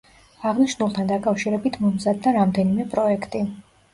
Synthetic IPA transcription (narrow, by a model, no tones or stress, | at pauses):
aʁniʃnulˠt̪ʰand̪akʼafʃiɾɛbit̪ʰmɔmzad̪ːaɾamd̪ɛnimɛpʼɾɔɛkʰt̪ʼi